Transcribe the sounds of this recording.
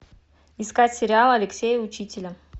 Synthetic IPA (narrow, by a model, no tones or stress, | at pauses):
ɪskatʲsʲɪɾʲɪalˠɐlʲɪksʲejʊʊt͡ɕitʲɪlʲə